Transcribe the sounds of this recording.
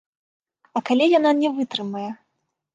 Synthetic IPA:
ɐkalʲijananʲɛvɨt̪ɾɨmɐjɛ

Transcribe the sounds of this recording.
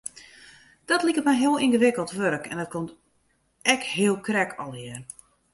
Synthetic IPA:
d̥ɔtlikəmɛjɦɪəlˠinɣəʋɪkəlˠtʋøɾəkʰɛ̰ndɔt̚komt | ɛkɦɪəlˠkrɛkʰɔlˠɦɪər

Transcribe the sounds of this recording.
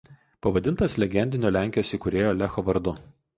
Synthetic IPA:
pɐʋɐd̪ʲɪnt̪ɐslʲɛɡʲɛnʲd̪ʲɪnʲoːlʲæˑŋʲkʲɪjoːsʲiˑkʊɾʲeːjoːlʲɛxoʋɐɾd̪ʊ

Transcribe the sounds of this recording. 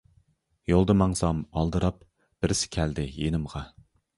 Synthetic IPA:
jolˠd̪ɨmɑŋsɑmɑlˠd̪ɨɾɑp | b̥ɪɾɪsɪ̥kʲʰæld̪ɪjenɪmʁɑ

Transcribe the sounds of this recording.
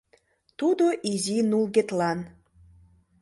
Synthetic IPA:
t̪ud̪oʔizinulɣet̪lɑn

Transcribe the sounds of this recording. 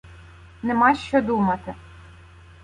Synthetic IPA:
nemɑjʃt͡ʃɔd̪umɐt̪ɪ

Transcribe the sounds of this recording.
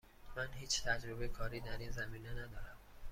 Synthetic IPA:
mænhiːt͡ʃʰt̪ʰæd͡ʒɾobeekʰɒːɾiːd̪æɾiːnzæmiːnenæd̪ɒːɾæm

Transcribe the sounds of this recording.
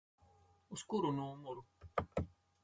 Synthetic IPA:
uskuɾunũmoɾu

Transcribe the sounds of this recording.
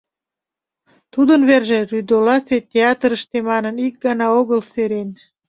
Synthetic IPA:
t̪ud̪ənβerʒeryd̪olɑset̪ʲeɑt̪ɾəʃt̪emɑnənik̚ɡɑnɑoɣəlseɾen

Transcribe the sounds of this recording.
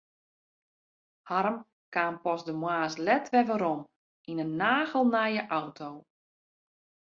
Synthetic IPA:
haɾəm | kaːnpɔsdəmwaːslɛtʋɛʋəɾɔm | ʔinənːaːɣəlˠnajəʔawtʰow

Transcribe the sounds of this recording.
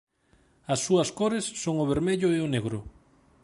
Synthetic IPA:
ɐsːuɐskoɾesːoŋʊβ̞eɾmeʎʊeʊneɣɾʊ

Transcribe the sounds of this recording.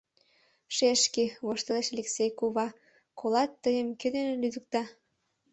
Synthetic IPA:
ʃeʃkeβoʃt̪əleʃɑlʲeksejkuβɑ | kʰolɑt̪ːəjəmked̪enelyd̪ək̚t̪ɑ

